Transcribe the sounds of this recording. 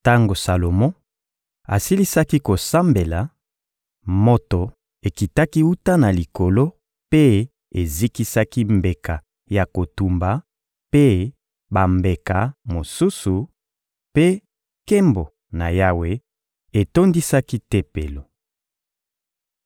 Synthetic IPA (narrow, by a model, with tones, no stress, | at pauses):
ta˦ŋɡo˨sa˨lo˨mɔ̃˦ | a̰˨si˦li˦sa˦ki˦ko˨sa˦mbe˨la˨ | mo˦to˨ | e˨ki˨ta˦ki˦u˦ta˦na˨li˨ko˨lo˦ | pe˦ | e˨zi˦ki˦sa˦ki˦mbe˨ka˨ | ja˨ko˨tu˨mba˨ | pe˦ | ba˨mbe˨ka˨mo˨su˦su˨ | pe˦ | ke˦mbo˨ | na˨ja˦we˦ | e˨to˦ndi˦sa˦ki˦te˦pe˨lo˨